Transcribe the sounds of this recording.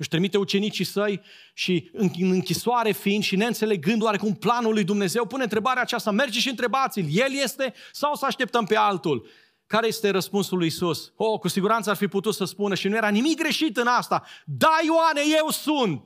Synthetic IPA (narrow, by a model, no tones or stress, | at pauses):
ɨʃt̪ɾimit̪e̞ut͡ʃe̞nit͡ʃisəj | ʃiɨŋɨnɨŋkʲisoaɾe̞fiːnd̪ʃine̞ɨnt̪se̞le̞ɡɨnd̪waɾe̞kumplanulːujd̪umne̞ze̞wpuneɨnt̪ɾe̞baɾeaːt͡ʃast̪ame̞rd͡ʒeʃiɨnt̪ɾe̞bat̪silje̞lje̞st̪e̞sawsəaʃt̪e̞p̚t̪əmpe̞alt̪ul | kaɾe̞jest̪e̞ɾəspunsulujisusokusiɡuɾant̪səarfiput̪ut̪səspunəʃinuje̞ɾanimik̚ɡɾe̞ʃit̪ɨnast̪ad̪ajoaneje̞wsunt̪̚